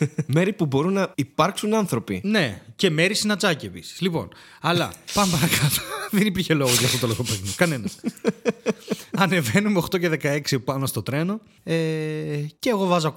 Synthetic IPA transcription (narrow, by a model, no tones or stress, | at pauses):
me̞ɾipubo̞ɾunːɐipɐɾksunɐnθɾo̞pḭne̞ce̞me̞ɾisinɐt͡sɐcie̞pisi̥zlipo̞̰n | ɐlɐ̰pɐnopɐɾɐkɐt̪o̥ðenipiɾçe̞lo̞ɣoʝɐft̪ot̪olofopeɣnokɐne̞nɐs | ɐne̞ve̞numeoxt̪o̞ce̞ðe̞kɐe̞ksipɐno̞st̪o̞t̪ɾe̞no̞ | e | ce̞ːɣo̞vɐzoɐ